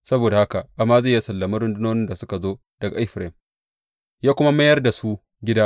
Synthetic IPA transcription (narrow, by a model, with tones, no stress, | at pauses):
sɐ˦boː˨da˨ha˦ka˨ʔa˨mːaː˦za˦˨ja˦sɐ˨lːɐ˨mɐ˦ɾʊ˦ndʊ˦noː˦nɪ˦nda˨sʊ˦ka˨zoː˦ | d̥ɐ˨ɡa˨ʔɪ˦ɸɾɛ˦˨m | jaː˦kʷʊ˦ma˦mɐ˦jɐ˦rda˨su˦ | ɡʲɪ˦daː˦